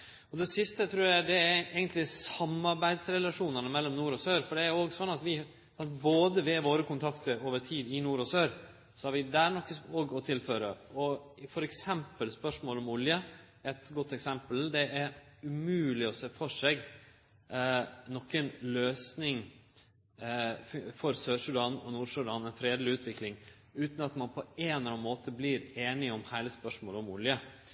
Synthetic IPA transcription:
ɔd̪ɛsɪst̪ət̪ʰɾuːɾjæɪd̪ɛæɛɡənt̪lɪsɑmːɑɾbæɪd̪sɾɛlɑʂuːnənəmɛlːɔmnuːɾɔsøːɾfɔɖɛæɾjʊoːɡsɔnːɑt̪ʋɪ | sɑnboːd̪əʋɛʋoːɾəkʰʊnt̪ʰɑkt̪əɾoːʋəʈʰiːd̪ɪnuːɾɔsøːɾ | sɔhɑɾʋɪd̪æːɾnɔkːəoːɡɔt̪ʰɪlføːɾə̰ɔfɔɾɛksɛmpəlspœʂmoːlɔmʊljə | ɛt̪ɡɔt̪ːɛksɛmpəld̪ɛʔæɾʉmʉːlɪɔseːfɔʂeːɡ | nɔkːənløːsnɪŋ | fɔɾsøːʂʉd̪ɑːnɔnuːɾʂʉd̪ɑːnɛnfɾeːd̪lɪʉːt̪ʰʋɪklɪŋ | ʉːt̪n̩ɑt̪mɑnpʰɔeːnlɑnmoːt̪ʰəbliɾeːnɪɔmhæɪləspœʂmoːlɔmʊ̰ljə

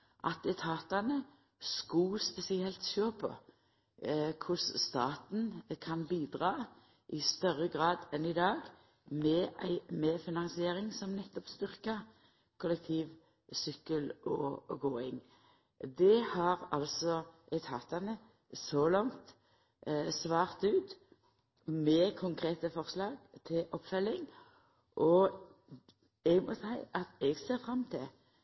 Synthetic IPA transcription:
ʔɑ̰t̪ɛt̪ʰɑːt̪ɑnə | skɑspɛsɪɛlt̪ʃøːpʰɔ̰ | kʰʊsst̪ɑːt̪n̩kʰɑnbiːd̪ʁɑː | ʔɪst̪œʁəɡʁɑːd̪ɛnɪd̪ɑːɡ | mɛæɪmɛfɪnɑŋsɪeːɾɪŋsɔmnɛt̪ːɔpst̪ʏʁkɑ | kʰʊlɛk̚t̪ʰiːʋ | sʏkːəlɔɡoːɪŋ | d̪ɛhɑʁɑlsɔʔɛt̪ʰɑːt̪ɑnə | sɔlɑŋt̪ | sʋɑːʁt̪ʉːt̪ | mɛkʰʊŋkʰʁeːt̪əfɔʁslɑːɡt̪ʰɪlʔɔpfœlːɪŋ | ʔɔ | ɛɡmɔsæɪʔɑt̪ɛɡseːʁfɾɑmːt̪ʰɪ

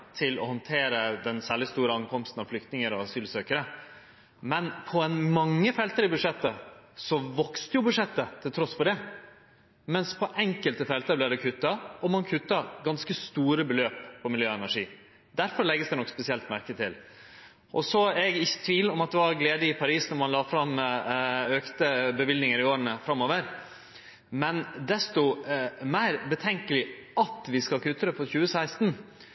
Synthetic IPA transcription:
t̪ʰɪlɔ̰hɔnt̪ʰeːɾəd̪ɛnsæːɭɪst̪uːɾəɑŋkɔmst̪n̩ɑʋflʏk̚t̪nɪŋəɾɔɑsyːlsøːkəɾə | mɛnpʰɔɛnmɑŋːəfɛlt̪əɾɪbʉd̪ʂɛt̪ːəsɔʋɔkst̪əjʊbʉd̪ʂɛt̪ːət̪ʰɪlt̪ʰɾɔsfɔd̪ɛ | mɛnspʰɔʔɛŋkəlt̪əfɛlt̪əblæɪɖ̪ɛkʰʉt̪ːɑɔmɑnkʰʉt̪ːɑɡɑnskəst̪uːɾəbəløːppʰːɔmɪljøːɛnæʂiː | d̪æɾfɔɾɭɛɡːəsd̪ɛnɔkspɛsɪɛlt̪mæɾkət̪ʰɪ̰l | ʔɔ̰sɔɛɡɪçːə̥t̪ʰʋiːlɔmɑt̪̚d̪ɛʋɑɾɡleːd̪əɪpʰɑɾiːsnɔɾmɑnlɑːfɾɑmː | øːkt̪əbəʋɪld̪nɪŋəɾɪoːɾənəfɾɑmːoːʋəɾ | mɛnd̪ɛst̪ʊmæɪɾbət̪ʰɛŋkəlɪɑt̪ʋɪskɑkʰʉt̪ːəɾəpʰɔçʉːəsæɪst̪n

